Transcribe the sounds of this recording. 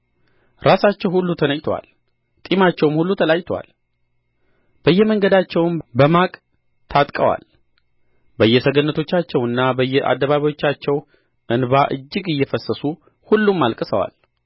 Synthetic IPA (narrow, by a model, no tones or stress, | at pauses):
ɾʔasat͡ʃːɛwhulːut̪ʰənəjt̪ʰwa̰l | t̪ʼimat͡ʃːɛwmhulːut̪ʰəlajt̪ʰwa̰l | b̥əjːɛməŋɡəd̪at͡ʃːɛwnbəmakʼ | t̪ʰat̪ʼkʼəwa̰l | bəjːɛsəɡənːət̪ʰo̞t͡ʃːat͡ʃːɛwɨnːabəjːɛʔa̰d̪ːəβaβawo̞t͡ʃːat͡ʃːɛw | ʔɨnbaʔɨ̰d͡ʒːɪɡɨjːɛfəsːəsu | hulːumːalkʼɨsəwa̰l